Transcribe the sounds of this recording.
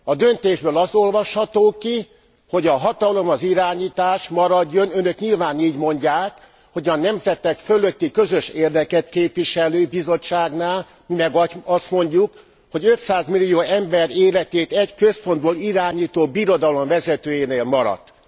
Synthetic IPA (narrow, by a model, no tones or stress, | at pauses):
ɒd̪ø̞nt̪eːʒbøːlɒso̞lvɒʃhɒt̪oːki | ho̞ɟɒɦɒt̪ɒlo̞mɒziɾaːɲiːt̪aːʃmɒɾɒɟːo̞nø̞nø̞kɲilvaːniːɟmo̞ɲɟaːk | ho̞ɟɒnɛmzɛt̪ːɛkføløt̪ːikø̞zøʃeːrd̪ɛkɛt̪keːpʋiʃɛløːbizo̞t͡ʃːaːɡnaːl | mimɛɡɒst̪mo̞ɲɟuk | ho̞ɟø̞t̪saːzmilːijoːɛmbɛɾeːlɛt̪eːt̪ɛckø̞spo̞nd̪boːliɾaːɲiːt̪oːbiɾo̞d̪ɒlo̞mvɛzɛt̪øːjeːneːlmɒɾɒ̰t̪ː